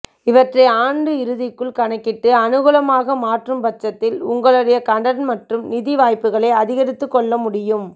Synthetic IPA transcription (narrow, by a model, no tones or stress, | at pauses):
ɪʋɐʈrɐɪaːɳɖɯɪɾɯðɪkːɯɭkɐɳɐkːɪʈːɯɐnɯɣɯlɐmaːɣɐmaːʈrɯmpɐt͡ʃːɐt̪ːɪlʊŋɡɐɭɯɽɐjɐkɐɳɖɐnmɐʈrɯmnɪðiʋaːjpːɯɣɐɭɐɪɐðɪɣɐɾɪt̪ːɯkːɔɭːɐmʊɽɪjɯm